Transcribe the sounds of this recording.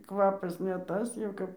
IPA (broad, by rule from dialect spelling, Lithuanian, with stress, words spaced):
ˈkʋɑːpɐs nʲɛ ˈtɐs jɛʊ ˈkɐp